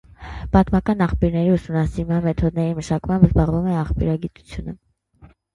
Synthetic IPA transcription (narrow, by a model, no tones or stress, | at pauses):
b̥ɑt̪mɑkɑnɑχpjuɾnɛɾiusumnɑsiɾmɑnmɛt̪ʰɔd̪̚nɛɾiməʃɑkmɑmbzbɑʁvumɛɑχpjṵɾɑɡit̪u̥t͡sʰjunə̰